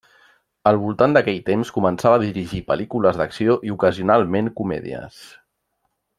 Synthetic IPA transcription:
əlˠβulˠt̪and̪əkɛʎt̪emskumənsaβəːðiɾiʒipəlikuləzðəksioʔiukəziunalˠmeŋkumɛ̰ðḭə̰s

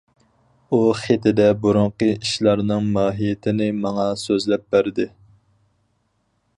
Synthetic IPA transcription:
uχet̪ʰɪd̪ɛbuɾʊɴqəiʃlˠɑɾnɨŋmɑːɦijɪt̪ʰɪnɪmɑŋɑsøzlɛp̚bæɾd̪ɪ

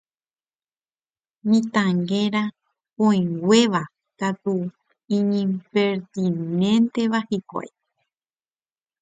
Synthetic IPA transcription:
nĩt̪ãŋɡẽɾa | põĩŋɡʷe̞ʋa | kat̪u | ĩɲĩmpeɾt̪inẽnt̪e̞ʋahikʷa̰e

